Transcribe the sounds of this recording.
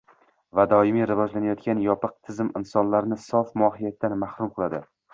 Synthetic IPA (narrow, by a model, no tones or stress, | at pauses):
vad̪ɒɪmiɾɪvɒd͡ʒlanajɒt̪kʲanjɒpɨq̚t̪ʰɪzɪmɪnsɒnlaɾnɪsɒfmʊɒɦɪjat̪ːanmahɾumqʰɨlˠad̪ɪ